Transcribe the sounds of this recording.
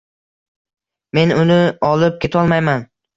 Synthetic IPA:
me̞nʊnɪɒlˠɪp̚kʲe̞t̪ʰɒlˠmajman

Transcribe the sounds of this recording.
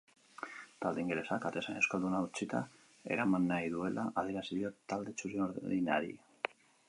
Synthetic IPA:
t̪ald̪eiŋɡele̞sakat̪e̞sane̞skold̪unaut͡ʃit̪a̰ | e̞̰ɾamanːajðue̞lʔaʔaðeɾasiðio̞t̪ːald̪e̞t͡ʃuɾioɾina̰ɾḭ

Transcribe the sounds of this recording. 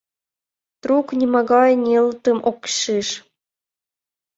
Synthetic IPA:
t̪ruknʲimɑɡɑjnʲelˠt̪ɤ̆mʔokʃiʃ

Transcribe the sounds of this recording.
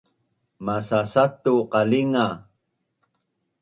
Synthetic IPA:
masasat̪uqaliŋa

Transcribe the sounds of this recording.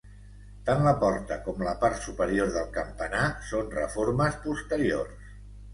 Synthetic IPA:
t̪anləpɔɾt̪əkɔmləpaɾt̪supəɾioɾðəlˠkəmpənasonrə̰foɾməspust̪əɾio̰rs

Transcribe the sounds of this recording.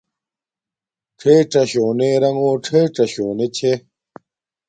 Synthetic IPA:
ʈ͡ʂʰeːʈ͡ʂɐɕoːneɾɐŋoːʈ͡ʂʰeːʈ͡ʂɐɕoːnet͡ɕʰe

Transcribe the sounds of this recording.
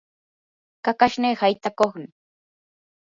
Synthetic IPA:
kakaʃneːhajt̪akoχnɪ

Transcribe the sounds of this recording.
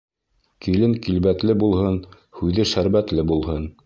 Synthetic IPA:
kilɘŋkilβæt̪lɘbulˠhɤn | hʉðɘʃæɾβæt̪lɘbulˠɦɤn

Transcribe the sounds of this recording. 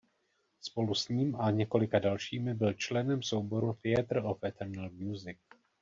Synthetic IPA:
spo̞lusɲiːmaɲɛko̞lɪkadalʃiːmɪbɪlt͡ʃlɛnɛmsowbo̞ɾuθɪɛt̪r̩ofɛt̪ʰɛɾnalmjuːzɪk̚

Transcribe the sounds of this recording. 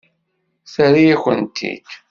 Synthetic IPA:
θəɾijæçə̰nt̪ʰḭd̪

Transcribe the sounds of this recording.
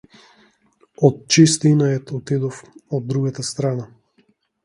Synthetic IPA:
ɔt̪̚t͡ʃist̪inaɛt̪ɔt̪id̪ɔfɔd̪ːɾuɡat̪ast̪ɾana

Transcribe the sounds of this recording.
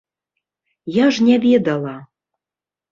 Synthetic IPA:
jɑʒnʲævʲed̪ɑlˠɑ

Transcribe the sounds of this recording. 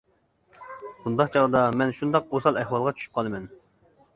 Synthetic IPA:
bund̪ɑqt͡ʃʰɑʁd̪ɑmɛnʃund̪ɑqosɑlˠɛhwɑlˠʁɑt͡ʃʰy̥ʃy̥p̚qʰɑlˠɨmɛn

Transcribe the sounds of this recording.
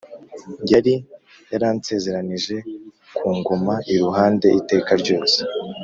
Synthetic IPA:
ɲɟaɾi | jaɾaːnse̞ːze̞ɾaniʒe̞ | kʰuːŋɡomaʔiɾuɦaːnde̞ʔite̞ːkaɾɟo̞ːse̥

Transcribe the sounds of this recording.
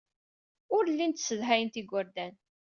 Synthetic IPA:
ʊɾlːint̪sːəðɦæjnt̪iɡʷʊɾd̪æn

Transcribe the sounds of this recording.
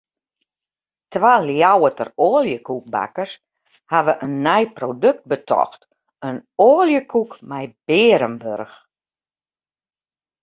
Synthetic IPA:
tʋaːljawətəroːljəkuk̚ba̰kərs | haʋəʔənːɛjprodøk̚t̚bətʰɔ̰xt | ənoːljəkʰukmɛjb̥ɪːɾəmbørx

